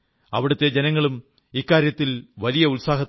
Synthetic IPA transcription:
ɐʋiɽɐt̪ːe̞d͡ʑenɐŋːɐɭum | ikːaːɾjɐt̪ːilʋɐlijɐulsaːɦɐt̪ː

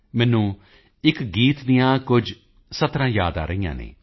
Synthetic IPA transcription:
mɛːnũː | ɪkɡiːt̪d̪ɪjãːkʊd͡ʒ | sət̪ɾãːjaːd̪a̰ːɾəĩjã̰ːnḛː

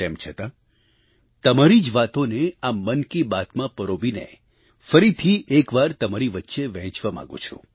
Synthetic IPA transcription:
ɛmt͡ʃʰət̪a | t̪əmaɾid͡ʒʋat̪oneamənkibat̪mãpəɾoʋinḛ | fəɾit̪ʰiʔekʋaɾt̪əmaɾiʋətːʃeʋɛ̃ɦt͡ʃʋamã̰ɡṵ̃t͡ʃʰṵ̃

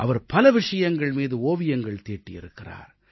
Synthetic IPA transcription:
ʔɐʋɐɾpɐlɐʋɪʂɐjɐŋɡɐɭmiːðɯoːʋɪjɐŋɡɐɭt̪eːʈːɪjɪ̰ɾɯkːɪra̰ːɾ

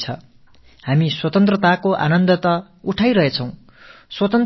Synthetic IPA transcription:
t͡sʰʌ̰ | hamiswʌt̪ʌnt̪rʌt̪akoʔa̰nʌnd̪ʌt̪ʌ | uʈʰajɾʌɦet͡sʰʌ̃w̃ | swʌt̪ʌnt̪

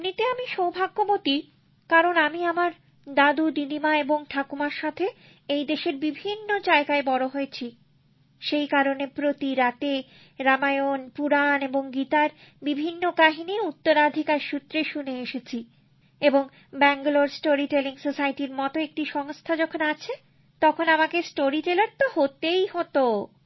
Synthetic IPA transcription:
nit̪eamiʃowbʱaɡːomot̪i | kaɾonamiamaɾ | d̪ad̪uɖilimaeboŋʈʰakumaɾʃat̪ʰe | ejd̪eʃeɾbibʱinːod͡ʑaeɡaebɔɾoɦoet͡ɕʰi | ʃejkaɾonepɾot̪iɾat̪e | ɾamaeonpuɾaneboŋɡit̪aɾ | bibʱinːokaɦiniut̪ːoɾad̪ʱikaɾʃut̪ːɾeʃuneeʃet͡ɕʰi | eboŋ | bɛŋɡoloɾsʈoɾiʈeliŋsosajʈiɾmɔt̪oek̚ʈiʃɔŋst̪ʰad͡ʑɔkʰonat͡ɕʰe | t̪ɔkʰonamakesʈoɾiʈelaɾt̪ohot̪ejhɔt̪o

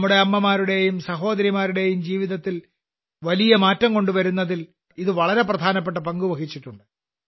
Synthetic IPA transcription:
mːuɽe̞ɐmːɐmaːɾuɽe̞jumsɐɦo̞ːd̪ɐɾimaːɾuɽe̞jumd͡ʑiːʋiðɐt̪ːil | ʋɐlijɐmaːtːɐmko̞ɳɖuʋɐɾunːɐðil | iðɨʋɐɭɐɾe̞prɐd̪ʱaːnɐp̬ːeʈ̬ːɐpɐŋɡuʋɐɣit͡ɕːiʈːuɳɖɨ

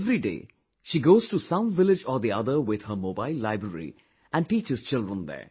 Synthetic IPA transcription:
vɾiɖḛː | ʃiːɡoːz̥ʈusʌ̃mvɪlɪd͡ʒɔːɾd̪iʌd̪əɾʋɪd̪həmoːbaɪlːaɪbɾəɾḭ | æ̃ɳɖʈiːt͡ʃɪz̥t͡ʃɪlɖɾə̃nd̪ɛ̰ː

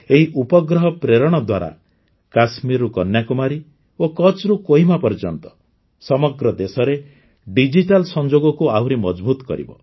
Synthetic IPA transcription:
eɦiʔupɔɡɾɔɦɔpɾeɾɔɽ̃ɔd̪waɾa̰ | kasmiɾukɔnjakumaɾi | okɔt͡ʃɾukoɦimapɔɾd͡ʒɔnt̪ɔ̥ | sɔmɔɡɾɔd̪esɔɾe | ɖid͡ʒiʈalsɔnd͡ʒoɡɔkuawɾimɔd͡ʒbut̪ɔ̥kɔ̰ɾḭbɔ̰

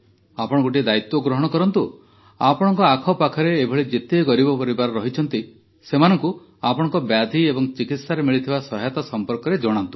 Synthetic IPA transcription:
apɔɽɔ̃koʈ̬ied̪ait̪ːwɔɡɾɔɦɔɽ̃ɔkɔɾɔnt̪u | apɔɽ̃ɔŋkɔakʰɔpakʰɔɾeːbʱɔɭed͡ʒet̪eɡɔɾibɔpɔɾibaɾɔɾɔɦit͡ʃʰɔnt̪i | semanɔŋku | apɔɽ̃ɔŋkɔbjad̪ʱiebɔŋt͡ʃikit̪saɾemiɭit̪ʰibasɔɦajt̪asɔmpɔɾkɔɾed͡ʒɔɽ̃ant̪u̥

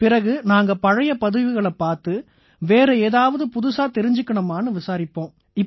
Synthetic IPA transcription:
pɪɾɐɣɯnaːŋɡɐpɐɻɐjɐpɐðɯʋɪɣɐɭɐpːaːɾt̪ɯ | ʋeːɾɐeːðaːʋɐðɯpʊðʊsaːt̪ɛɾɪɲd͡ʒɯkːɪɳɐmaːnɯʋɪsaːɾɪpːõː | ɪ

